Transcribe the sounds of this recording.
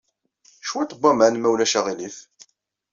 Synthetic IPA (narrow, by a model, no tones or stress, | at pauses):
ʃwæt̪ˤəbːɑmæʕnmæwlæʃæʁiliθ